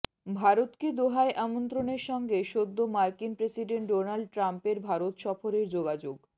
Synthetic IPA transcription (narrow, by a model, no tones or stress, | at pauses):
bʱaɾot̪ked̪oɦaeʔamont̪ɾoneɾʃɔŋɡeʃod̪ːomaɾkinpɾesiɖeɳʈ̚ɖonalɖ̚ʈɾampeɾbʱaɾot̪ʃɔfoɾeɾd͡ʑoɡad͡ʑoɡ